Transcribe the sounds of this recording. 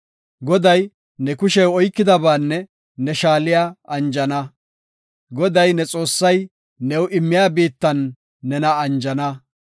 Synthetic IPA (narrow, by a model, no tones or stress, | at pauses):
ɡɔd̪ɐj | nɛkʊʃɛwɔjkːɪd̪ɐbaːnːɛ | nɛʃaːlɪjaːɐnd͡ʒɐnɐ | ɡɔd̪ɐjnɛt͡sʼo̞ːsːɐj | nɛwʔɪmːɪjaːbiːt̪ːɐnː | ɛnɐːnd͡ʒɐnɐ